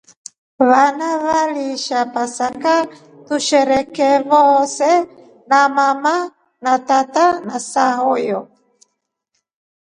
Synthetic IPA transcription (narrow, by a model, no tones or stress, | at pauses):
βanaβaliʃapasaka | t̪uʃɛɾɛkɛβosɛ | namama | nat̪at̪anasaɦojɔ